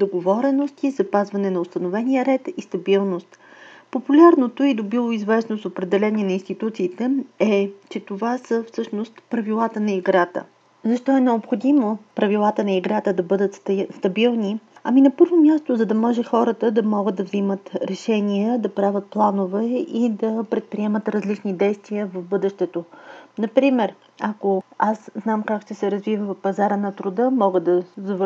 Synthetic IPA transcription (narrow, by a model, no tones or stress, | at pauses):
d̪oɡovɔɾɛnost̪izɐpazvɐnɛnɐost̪ɐnovɛnijəɾɛt̪ist̪ɐbilˠnost̪ | populʲaɾnot̪oid̪obilˠoizvɛsnosopɾɛd̪ɛlɛniɛnɐinst̪it̪ut̪siːt̪ɛɛt͡ʃɛt̪ovasəfsɤʃnost̪pɾɐvilˠat̪ənɐiɡɾat̪ə̰ | zɐʃt̪ɔɛnɛopxod̪imopɾɐvilˠat̪ənɐiɡɾat̪əd̪ɐbɤd̪ət̪sst̪ɐbilˠniɐ̰minɐpɤɾvomʲjast̪ozɐd̪ɐmɔʒɛxɔɾət̪əd̪ɐmɔɡəd̪ɐvzimət̪ɾɛʃɛniəd̪ɐpɾavʲət̪̚plˠanovɛid̪ɐpɾɛt̪̚pɾiɛmət̪ɾɐzlit͡ʃnid̪ɛjst̪viəvɐvbɤd̪ɛʃt̪ɛt̪onɐpɾimɛɾ | ɐkoasznamkakʃt̪ɛsɛɾɐzvivəvɐfpɐzaɾənɐt̪ɾʊd̪ɤmɔɡəd̪ɐzɐv